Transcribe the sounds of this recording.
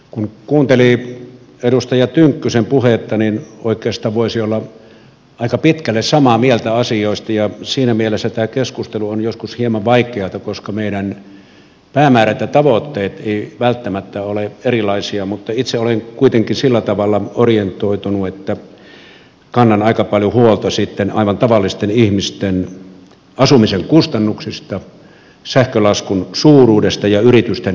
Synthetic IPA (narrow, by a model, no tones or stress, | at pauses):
kunkuːnt̪eli | edust̪ɑjɑt̪yŋkːysempuhet̪ːɑninoˑikˑeːst̪ɑːʋʋoˑisiolːɑ | ɑˑikɑpit̪kælːessɑmɑmielt̪æɑsioˑist̪ɑjɑsiːnæmielesːæt̪æːkeskust̪eluonjoskushiemɑʋʋɑikˑeɑt̪ɑkoskɑmeiɾæn | pæːmæːræt̪jɑt̪ɑʋot̪ːeːt̪eˑiʋælt̪ːæmæt̪ːæoleerilɑisiɑmut̪ːɑit̪seoleŋkuit̪eŋkinsilːæt̪ɑʋɑlːˑɑorient̪ˑoit̪unuet̪ːæ | kɑnːɑnɑikɑpɑljohuolt̪ɑsit̪ːenɑ̰iʋɑnt̪ɑʋɑlːist̪enihmist̪en | ɑsumiseŋkust̪ɑnːuksist̪ɑ | sæhkølɑskunsuːruːdest̪ɑjɑyrit̪yst̪en